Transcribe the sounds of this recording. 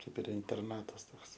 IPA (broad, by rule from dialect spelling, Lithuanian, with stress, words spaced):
ˈkɐɪp ɪr ɪnʲtʲɛrˈnɑːtɐs ˈtoːks